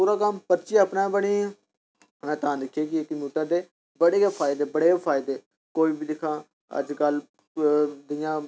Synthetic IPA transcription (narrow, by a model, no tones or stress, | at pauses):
puːɾaːkəmpəɾt͡ʃiːəpnãːbəɽiː | mɛ̃ːt̪ãːd̪ɪkʰeːk̬ɪkəmjuːʈəɾd̪eː | bəɽeːpʰaːɪd̪eːbəɽeːpʰaːɪd̪eː | koːiːbiːd̪ɪkʰãː | ə̰d͡ʒkəl | d̪ɪjãː